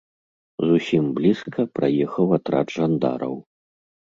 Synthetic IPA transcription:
zusʲimblʲiskɐpɾajɛxɐwat̪ɾa̰ʐand̪a̰ɾɐ̰w

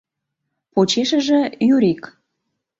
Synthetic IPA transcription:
pot͡ɕeʃə̆ʒĕjyɾʲik

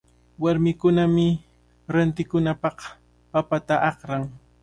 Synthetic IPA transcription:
waɾmɪkʊnamɪ | ɾant̪ɪkʊnapɑq | papat̪aʔɑqɾaŋ

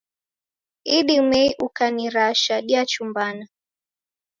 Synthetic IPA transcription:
iɗimɛiʔukaniɾaʃaɗiat͡ʃumbana

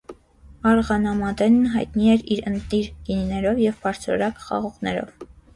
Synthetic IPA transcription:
ɑɾʁɑnɑmɑd̪ɛnːɦɑjt̪niɛɾiɾənt̪niɾɡ̥ininɛɾɔvjɛvpʰɑɾt͡sʰɾɔ̰ɾɑkχɑ̰ʁɔʁnɛ̰ɾɔ̰v

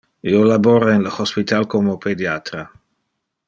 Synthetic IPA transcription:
iolaboɾaenləxospit̪alkomopʰed̪jat̪ɾa

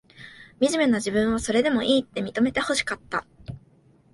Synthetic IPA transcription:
mʲiʑime̞naʑibɯ̟̃ɰ̃β̞aso̞ɾe̞d̪e̞mo̞ʔiːt̪ːe̞mʲit̪o̞me̞t̪e̞ho̞ɕi̥kat̪ːa

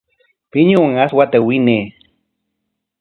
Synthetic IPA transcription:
piɲuŋaswat̪ewineː

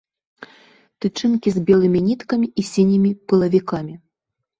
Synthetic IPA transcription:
t̪ɨt͡ʂɨnkʲizʲbʲɛlˠɨmʲinʲit̪kɐmʲiʔisʲinʲimʲipɨlˠɐvʲikamʲi

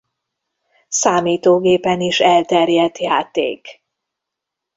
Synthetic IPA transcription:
saːmiːt̪oːɡeːpɛniʃɛlt̪ɛrjɛt̪jaːt̪ḛːk

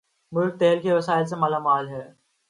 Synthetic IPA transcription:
mʊlk̚t̪eːlkʰeʋɐsaːɪls̬emɐlamaːlɦɛː

